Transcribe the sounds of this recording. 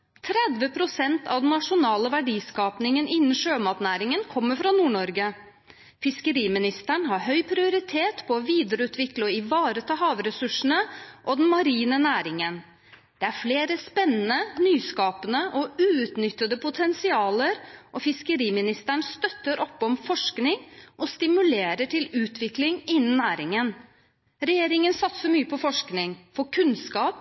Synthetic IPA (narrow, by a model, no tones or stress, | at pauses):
t̪ʰɾɛd̪ʋəpʰɾʊsɛnt̪ɑ̰ʋd̪ɛnnːɑʂʊnɑːləʋæɖiːskɑːpnɪŋənʔɪnːən̩ʂøːmɑːt̪næːɾɪŋənkʰɔmːəfɾɑnuːɳɔɾɡə | fɪskəɾiːmɪnɪst̪əɳɦɑɾɦœʏpʰɾɪʊɾɪt̪ʰeːt̪pʰɔɔʋiːd̪əɾəʉːt̪ʰʋɪklɔɪʋɑːɾət̪ʰɑːɦɑːʋɾɛsʉʂɳ̩əʔɔd̪ɛnmɑɾiːnənæːɾɪŋən | d̪̥ɛæɾfleːɾəspɛnːənənyːskɑːpənəʔɔʉːʉt̪nʏt̪ːəd̪əpʊt̪ʰɛnsɪɑːləɾʔɔfɪskəɾiːmɪnɪst̪əɳst̪œt̪ːəɾʔɔpːɔmfɔʂknɪŋʔɔst̪ɪmʉleːɾəʈɪlʉːt̪ʰʋɪklɪŋɪnːənnːæːɾɪŋən | ɾɛjeːɾɪŋənsɑt̪səmyːəpʰɔfɔʂknɪŋfɔkʰʉnskɑːp